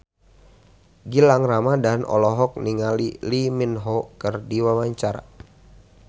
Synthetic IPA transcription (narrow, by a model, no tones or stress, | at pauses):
ɡilaŋramadanɔ̰lɔɦɔk̚niŋaliliminɦɔkɨrdiwawaɲt͡ʃaɾa̰